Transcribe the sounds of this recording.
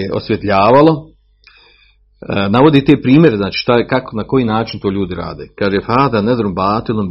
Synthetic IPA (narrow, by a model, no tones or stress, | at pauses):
eo̰sʋjet̪ʎaːʋalˠo | naʋo̞d̪iːt̪eːpɾiːmjeɾeznaːt͡ʃi̥ːʃt̪akakonakojiːnaːt͡ʃint̪oːʎuːd̪iɾa̰ːd̪eːkaːʒefaːd̪aned̪ɾombaːt̪ilom